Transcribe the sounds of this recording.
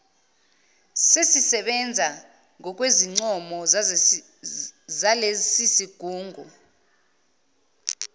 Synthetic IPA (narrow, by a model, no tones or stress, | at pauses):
sesisɛɓɛnd͡zʱa | ŋʱɔk̬ʼweziŋ͡ǀɔmɔ | zalesisiɡ̥ʱuːŋʱu